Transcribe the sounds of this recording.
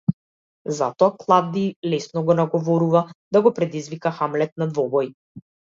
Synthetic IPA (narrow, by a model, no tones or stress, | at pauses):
zat̪ɔaklˠavd̪ilɛsnɔɡɔnaɡɔvɔɾuvad̪aɡɔpɾɛd̪izvikaxamlɛt̪̚nad̪vɔbɔj